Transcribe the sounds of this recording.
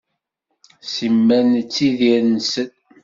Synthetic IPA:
simːænt͡sːiðiɾnsən

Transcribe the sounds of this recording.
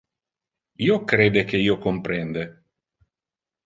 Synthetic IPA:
iːokɾeːd̪ekeiːokompɾɛnd̪e

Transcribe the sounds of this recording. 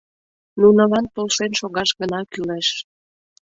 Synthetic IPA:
nunəlɑnp̪olʃenʃoɣɑʃɣənɑkyleʃ

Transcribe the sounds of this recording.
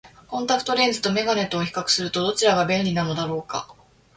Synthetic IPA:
kõ̞nt̪akɯ̥t̪o̞ɾe̞ːd͡zɨ̥t̪o̞me̞ɡane̞t̪ːoːçʲi̥kakɯ̟̥sɨɾɯ̟t̪o̞d̪o̞t͡ɕiɾaɡabẽ̞nɾʲinano̞d̪aɾo̞ːka̰

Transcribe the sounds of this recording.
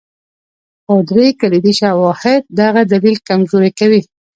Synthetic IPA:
xod̪ɾekalid̪iʃawɑhɪd̪̚ːaɣad̪alilkamzoɾikawi

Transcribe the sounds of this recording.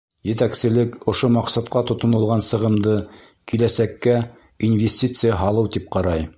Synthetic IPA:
jɘ̆t̪æksɘ̆lɘkŏʃomɑqsɑt̪qɑt̪ŏt̪ŏnɤ̆lˠʁɑnsɤ̆ʁɤ̆md̪ɤ | kilæsækːæ | invʲesʲtʲit̪sɨjaɦɑlˠɤwt̪ip̚qɑɾɑj

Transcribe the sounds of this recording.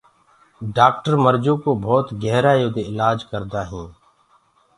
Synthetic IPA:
ɖaːk̚ʈəɾməɾd͡ʒõːkoːbʱɔːt̪ɡɛɦɾaːjoːd̪eːɪlaːd͡ʒkəɾd̪aːɦĩː

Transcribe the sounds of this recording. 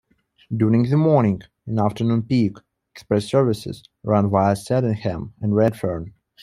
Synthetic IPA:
dʊɹɪ̃ŋðɨmɔɹnɪ̃ŋɡ | ɨ̃næftʰə˞nũnpik | ɛkspɹɛsɜ˞vɨsɪ̰z̥ | ɹãnvaɪsɛɾɨ̃nhɛ̃mɨ̃nɹɛdfɜɹn

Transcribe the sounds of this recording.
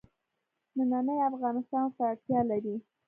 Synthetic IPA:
nənanəjafɣɑnɪst̪ɑnsəaɽt̪jɑlaɾi

